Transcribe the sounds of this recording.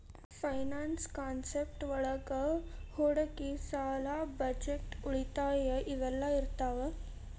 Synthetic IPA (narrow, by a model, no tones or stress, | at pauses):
fajnanskansepʈʋəɭəɡəhoɽəkisalabəd͡ʑeʈuɭit̪ajəʔiʋəlːaiɾt̪aʋə